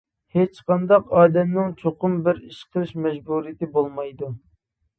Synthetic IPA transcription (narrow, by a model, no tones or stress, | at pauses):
het͡ʃqɑnd̪ɑqɑːd̪ɛmnɪŋt͡ʃʰoqʊmbɪɾiʃqʰəlˠɪʃmɛʒbuɾijɪt̪ɪbolˠmɑjd̪u